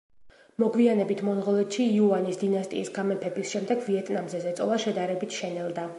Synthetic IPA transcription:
mɔɡvianɛbit̪ʰmɔnʁɔlɛt̪ʃiːuanisd̪inast̪ʼḭːsɡamɛpʰɛbisʃɛmd̪ɛɡviɛt̪ʼnamzɛzɛt̪sʼɔlˠaʃɛd̪aɾɛbit̪ʰʃɛnɛlˠd̪a

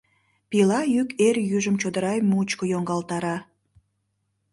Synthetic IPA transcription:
pilɑjykerjyʒəmt͡ɕod̪əɾɑjmut͡ɕkojoŋɡɑlt̪ɑɾɑ

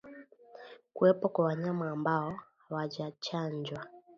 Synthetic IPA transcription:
kuɛpɔkwawaɲamaːmbaɔhawaʄat͡ʃaɲd͡ʒwa

